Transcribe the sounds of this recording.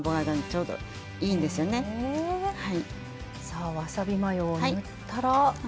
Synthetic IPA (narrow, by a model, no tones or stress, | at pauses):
boɡad̪ãɲt͡ɕo̞ːd̪o̰ | iːnd̪e̞sɨjone̞ | hai | saːβasabʲimajoːaɯ | t̪ːaɾa